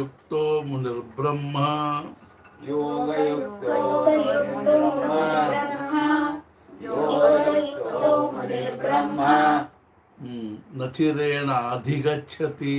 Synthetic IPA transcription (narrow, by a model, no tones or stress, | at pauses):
uk̚t̪oːmuniɾbɾɐmːɐ | ɐjukt̪ɐnɾɾɐmɦɐ | ɐjuk̪t̪omunɐɾbɾɐmɐ | nɐt̪ʰiɾeːɳɐaːd̪ʱikɐtːʃʰɐt̪i